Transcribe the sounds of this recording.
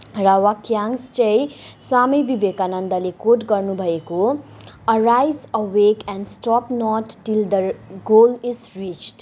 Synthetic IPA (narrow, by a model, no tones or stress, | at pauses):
rawakjãŋst͡ʃʌ̃jswamibibekanʌnd̪alekoʈɡʌrnubʱʌeko | əɾajzəwekɛ̃nɖsʈɔpnɔʈːild̪əɡolizrit͡ʃʈ